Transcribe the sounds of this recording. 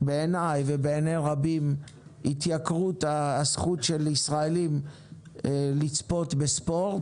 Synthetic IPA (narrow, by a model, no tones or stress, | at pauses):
beenajvebeːnejʁabim | hit̪jakʁut̪asχutʃelisʁaelim | lit͡spo̞t̪bespo̞ʁt